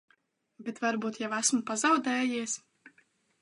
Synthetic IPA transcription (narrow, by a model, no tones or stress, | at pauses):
bet̪vaɾbuːt̪jɛwæsmupazawd̪ɛːjiɛs